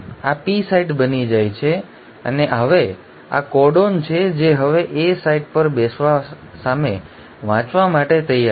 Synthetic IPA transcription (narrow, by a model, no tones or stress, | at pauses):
apisaiʈbənid͡ʒajt͡ʃʰe | ə̰neɦəʋe | a̰kɔɖont͡ʃʰed͡ʒeɦəʋeʔesaiʈ̚pəɾbesʋa | same | ʋãt͡ʃʋamaʈet̪əja